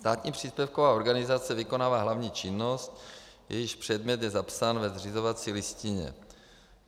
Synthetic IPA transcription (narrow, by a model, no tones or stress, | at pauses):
st̪aːt̪ɲiːpr̝̥iːspɛfkovaːoɾɡanɪzat͡sɛvɪko̞naːvaːɦlavɲiːt͡ʃɪnːost̪ | jɛ̰jɪʃpr̝̥ɛd̪mɲɛt̪jɛzapsaːnvɛzr̝ɪzo̞vat͡siːlɪscɪɲɛ̰